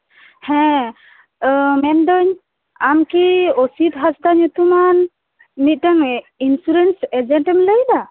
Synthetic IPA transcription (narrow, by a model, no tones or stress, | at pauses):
hɛ̃ | mɛnd̪ɔɲ | amkiosit̪ɦasd̪aɲut̪uman | mit̪̚ˀt̪ɛŋ | insuɾɛnsɛd͡ʒɛɳʈɛmləjd̪a